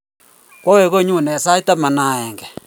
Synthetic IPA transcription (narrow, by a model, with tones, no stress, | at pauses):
kwɔ˦we˦˨ɣo˦˨ɲu˦˨nɛ˨sa˦i˦ta˦ma˨na˦˨ɛ˨ŋɡɛ˨